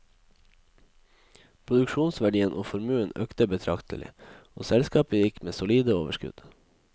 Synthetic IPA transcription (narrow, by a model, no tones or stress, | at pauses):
pʰɾʊd̪ʉkʃuːnsʋæɖiːənʔoːfɔɾmʉːənø̰ːkt̪əbət̪ʰɾɑkt̪əlɪ̰oːsɛlskɑːpəjɪkmeːsʊliːd̪əoːʋəʃkʉ̰d̪̥